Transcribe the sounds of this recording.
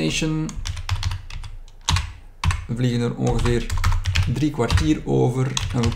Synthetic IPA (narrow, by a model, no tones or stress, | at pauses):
eʃən | vliɣənərɔ̰nɣəvɪːrdrikwartiːɾoːvərɛnʋə